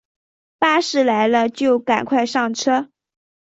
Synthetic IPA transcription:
pa˥ʂɻ̩˥˩la˧˥ɪlə˧t͡ɕjo˥˩ʊka̰˨˩nkʰwa˥˧ɪʂɑ˥˩ŋʈ͡ʂʰɤ˥

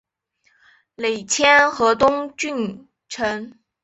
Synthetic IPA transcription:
le˨˩ɪt͡ɕʰjɛ˥nxɤ˧˥t̪ʊ˥ŋt͡ɕy˥˩n | ʈ͡ʂʰə˧˥n

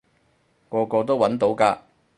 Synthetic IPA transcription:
kɔː˧kɔː˧t̪o˥wɐ˨˥nt̪o˨˥wkaː˧

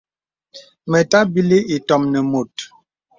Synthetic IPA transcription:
mɛ˨ta˦bi˦li˦i˨tɔ˨mnɛ˨mo˨t̚

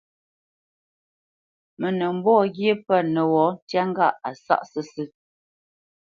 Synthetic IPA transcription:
mə˨nə˨m̩˦bɔ˦˨ɡje˦pə˦˨nə˨wɔ˨˦n˦tja˦ŋ˦ɡa˦˨a˨sa̰˦ʔsə˦sɨ˦

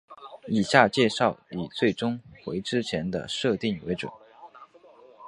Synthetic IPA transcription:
i˨˩ɕja˥˧t͡ɕjɛ˥˧ʂɑ˥˩ʊi˨˩t͡swe˥˩ɪʈ͡ʂʊ˥ŋxwe˧˥ɪʈ͡ʂɻ̩˥t͡ɕʰjɛ˧˥nd̪ə̰˧ʂɤ˥˧t̪i˥˩ŋwe˧˥ɪʈ͡ʂwə̰˨˩˦n

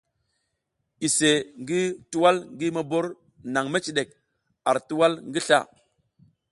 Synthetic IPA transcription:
i˨se˨ŋɡi˦tu˦wa˦lŋɡi˦ma˨bo˦ɾ | na˨ŋme˦t͡ʃi˨ɗe˨k̚ | a˨ɾtu˦wa˦lŋɡi˦ɬa̰˦˨

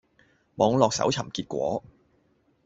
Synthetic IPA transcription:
mɔː˨˧ŋlɔː˨k̚sɐ̰˨˥wt͡sʰɐ˨˩mkiː˧t̚kʷɔ̰ː˨˥

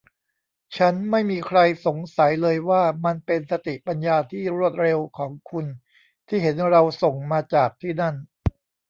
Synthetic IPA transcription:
t͡ɕʰa˦˥nma˥˩jmiː˧kʰɾa˧jso˨˩˦ŋsa˩˦jlɤː˧jwaː˥˩ma˧npe˧nsa˧t̪i˨˩pa˧njaː˧t̪ʰiː˥˩ɾu˥˩ət̪̚ɾe˧wkʰɔː˩˦ŋkʰu˧n | t̪ʰiː˥˩ɦe˩˦nɾa˧wso˨˩ŋmaː˧t͡ɕaː˨˩k̚t̪ʰiː˥˩na˥˩n

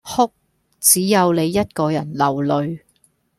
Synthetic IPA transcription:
hʊ˥k̚ | t͡siː˨˥jɐ˨˧wle˨˧jːɐ˥t̚kɔː˧jɐ˨˩nlɐ˨˩wlɵ˨˧ɥ

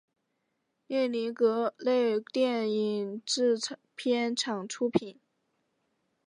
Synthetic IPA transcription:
ljɛ˥˩li˧˥kɤ˧˥le˥˧ɪt̪jɛ˥˩ni˨˩ŋʈ͡ʂɻ̩˥˩ | pʰjɛ˥nʈ͡ʂʰɑ˨˩ŋʈ͡ʂʰu˥pʰi˨˩˦n

